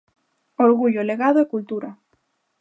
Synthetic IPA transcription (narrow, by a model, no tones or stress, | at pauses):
oɾɣuʎoleɣaðoekult̪uɾa